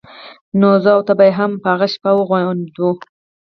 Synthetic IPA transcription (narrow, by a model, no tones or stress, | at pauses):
nozɑwt̪abajeɦampəaɣaʃpawəɣwajnd̪u